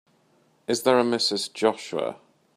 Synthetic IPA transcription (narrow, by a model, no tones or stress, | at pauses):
ɪzðəɹəmɪsɪzd͡ʒɒʃəə̰